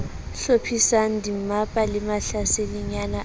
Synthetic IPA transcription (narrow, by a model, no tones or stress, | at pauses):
ɬopʰisan̩dim̩mapʼalɪmaɬaselɪɲana